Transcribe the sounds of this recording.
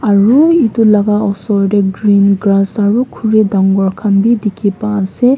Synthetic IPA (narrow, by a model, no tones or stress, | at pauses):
aɹuitulaɡaɔsɔjɾeɡɾinɡɾasaɹukʰuɹidaŋɡɔɹkʰanbidikʰipase